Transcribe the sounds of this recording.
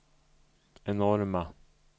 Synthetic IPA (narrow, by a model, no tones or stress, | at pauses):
ɛnɔɾma